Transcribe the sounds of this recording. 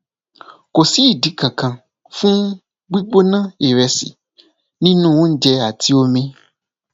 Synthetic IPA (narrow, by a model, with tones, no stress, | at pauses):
ko˨si˦i˦˨di˨˦kã˨kã˨ | fũ˦ | ɡ͡bi˦ɡ͡bo˦nã˦e˨ɾɛ˨sḭ˨ | nĩ˦nũ˦wo˦n̩˦d͡ʒɛ˧a˨ti˧o˧mĩ˦